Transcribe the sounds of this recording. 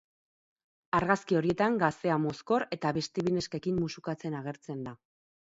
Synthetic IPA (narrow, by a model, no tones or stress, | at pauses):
aɾɣaskio̞ɾie̞t̪aŋɡast̪e̞amo̞sko̞ɾe̞t̪aβe̞st̪eβine̞ske̞kimːusukat͡se̞naɣ̞e̞ɾt͡se̞nd̪a